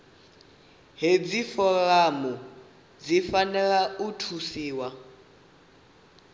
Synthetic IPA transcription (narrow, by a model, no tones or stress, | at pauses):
ɦeb͡ʐifɔɣamɔ | d͡zifanɛɺautʰusiːwa